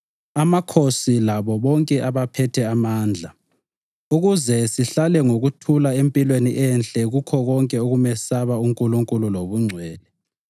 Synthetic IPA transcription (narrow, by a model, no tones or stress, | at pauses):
amakʰosilaβɔβɔŋkʼɛʔaβapʰɛtʰɛamaːnd͡ɮʱa | uɣuzɛsiɬalɛŋoɣutʰulaempʼilweniʔɛnt͡ɬʼɛɣukʰɔɣɔŋkʼɛoɣumɛsaβauŋkʼuluŋkʼululoβuŋ͡ǀʱwɛːlɛ